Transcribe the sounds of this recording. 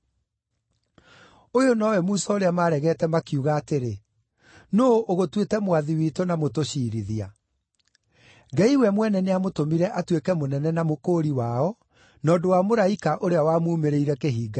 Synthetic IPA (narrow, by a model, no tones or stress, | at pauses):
ojonɔwɛmuːsɔoɾeamaːɾɛɣɛːtɛmakiuɣaːteɾe | noʔoɣotwetɛmwaðiwiːtonamotoɕiːɾiðia | ɡɛiwɛmwɛnɛneamotomiɾɛʔatwekɛmonɛnɛnamokoːɾiwaɔ | nɔːdowamoɾaikaʔoɾeawamuːmeɾeiɾɛkeɦiːɡa